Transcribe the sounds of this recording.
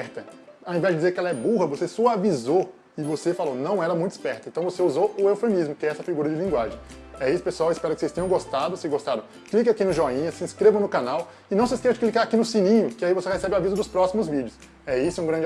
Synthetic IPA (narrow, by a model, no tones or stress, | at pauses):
ɛɾt̪ɐawẽvɛzd͡ʒɪd͡ʒizeɾkɪɛlɐɛbuɦɐvosesɔavizo | ɪvosefalonɐ̃w̃ɛlɐmũj̃t̪ispɛɾt̪ɐẽt̪ɐ̃w̃voseuzoʊewfẽmizmʊkɪɛɛsɐfiɡuɾɐd͡ʒɪlĩŋɡwaʒẽj̃ | ɛisʊ̥pesuawɪspɛɾɐkɪ̥sejst̪ẽɲ̃ɐ̃ɡost̪ad̪ʊsɪzɡost̪aɾɐ̃w̃ | klik̬akinʊʒɔĩɲɐsĩskɾevɐ̃nʊkanaw | ɪnɐ̃w̃s̬ɪiskesɐd͡ʒɪklikaɾakinʊsĩnĩɲʊkɪaivosehesɛbɪavizʊd̪ʊspɾɔsimʊzvid͡ʒɪʊs | ɛisʊɛũɡɾɐ̃d͡ʒ